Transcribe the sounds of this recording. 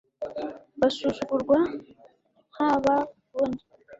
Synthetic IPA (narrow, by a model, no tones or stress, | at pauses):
βasuzuɡuɾɡwa | nhaβa | βona